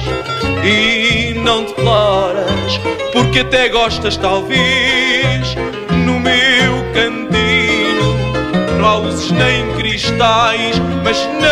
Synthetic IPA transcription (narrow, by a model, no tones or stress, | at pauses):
inɐ̃w̃d̪ɨklˠɔɾɐʃpuɾkɐt̪ɛɣɔʃt̪ɐʃt̪alˠve | ʃ | numewkɐ̃nt̪i | nɐ̃w̃auzuʒnɐ̃j̃kɾiʃt̪ajʃ | mɐʒn